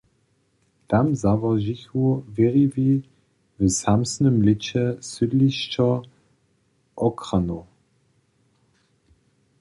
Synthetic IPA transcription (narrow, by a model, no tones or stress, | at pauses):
d̥amzavɐʒiçuveʁivi | vəsamsnəmlɪt͡ɕəsydliɕt͡ʃɐ | ʔɔkʁano